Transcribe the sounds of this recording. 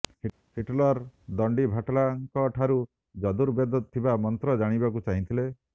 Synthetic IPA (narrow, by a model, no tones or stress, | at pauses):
hiʈlɔɾd̪ɔɳɖibʱaʈlaŋkɔʈʰaɾu | d͡ʒɔd̪uɾbjɔd̪ɔt̪ʰːibamɔnt̪ɾɔd͡ʒaɽ̃ibakut͡ʃaɦĩnt̪ʰile